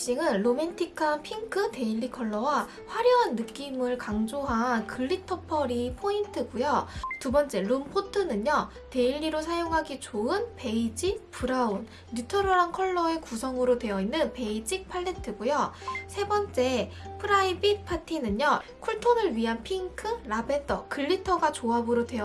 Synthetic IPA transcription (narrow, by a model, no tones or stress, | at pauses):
ɕ͈iŋɯnɾome̞ntʰikʰapʰiŋkʰɯte̞iʎːikʰʌɭːʌwa | ɸwaɾjʌanːɯk͈imɯɭkaŋd͡ʑoɦakɯɭːitʰʌpʰʌɾipʰointʰɯɡujotubʌnt͡ɕ͈e̞ɾumpʰotʰɯnɯɲʌ | te̞iɭːiɾosʰajoŋɦaɡit͡ɕoɯnpe̞id͡ʑipʰuɾaunː | itʰʌɾoɾaŋkʰʌɭːʌe̞kusʰʌŋɯɾodwe̞jʌinːɯnpe̞id͡ʑik̚pʰaɭːe̞tʰɯɡujosʰe̞bʌnt͡ɕ͈e̞ | pʰɯɾaibipʰatʰinɯɲʌkʰuɭtʰonɯɭɥiɦanpʰiŋkʰɯɾabe̞tʰʌ̰kɯɭːitʰʌɡat͡ɕoabɯɾodwe̞ʌ